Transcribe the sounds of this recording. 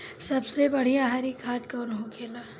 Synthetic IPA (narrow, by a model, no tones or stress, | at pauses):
sɐbsebɐɽ̤iãɦaɾikʰaːd̪kɔːnɦõkʰeːlaː